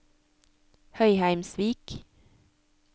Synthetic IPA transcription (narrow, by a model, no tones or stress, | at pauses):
hœʏhæɪmsʋiːk